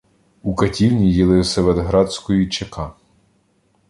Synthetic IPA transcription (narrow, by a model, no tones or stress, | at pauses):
ukɐtʲiwnʲijilˠɪwsʲɛʋed̪ɦɾɑd̪ʲsʲkɔjit͡ʃekɑ